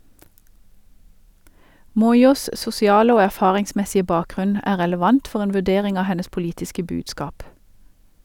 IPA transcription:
ˈmɔʏˌuːs sʊsɪˈɑːlə ˈoː æˈfɑːʁɪŋˌsmɛsɪə ˈbɑːˌkʁʉn ˈæː ʁɛləˈʋɑnt ˈfɔʁ ˈeːn ʋʉˈdeːʁɪŋ ˈɑː ˈhɛnəs pʊˈliːtɪskə ˈbʉːdskɑːp

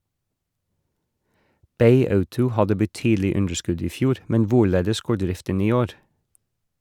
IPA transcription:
ˈbeɪ ˈɑʉtʊ ˈhɑdə bəˈtyːdl̩ɪ ˈʉndɹ̩ˌskʉd ˈiː ˈfjuːɾ ˈmɛn ˈʋʊˌɭeːdəs ˈɡoːɹ ˈdɾɪftən ˈiː ˈoːɾ

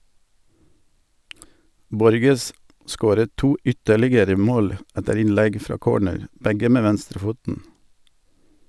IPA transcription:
ˈbɔɾɡəs ˈskoːɾət ˈtuː ˈʔʏtəlɪɡəɾə ˈmoːl ˈætəɾ ˈɪnˌlæɡ ˈfɾɑː ˈkoːɳəɾ ˈbæɡə ˈmeː ˈʋænstɾəˌfuːtn̩

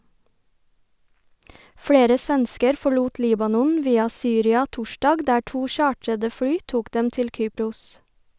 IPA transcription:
ˈfɽeːɾə ˈsʋɛnskəɾ fɔˈɭuːt ˈliːbɑnɔn ˈʋiːɑ ˈsyːɾɪɑ ˈtʊˌʃdɑːɡ ˈdæː ˈʈuː ˈʃɑːʈɾədə ˈfɽyː ˈtuːk ˈdɛm ˈtɪl ˈkyːpɾʊs

